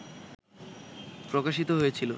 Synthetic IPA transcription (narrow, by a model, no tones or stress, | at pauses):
pɾokaʃit̪oɦojet͡ɕʰilo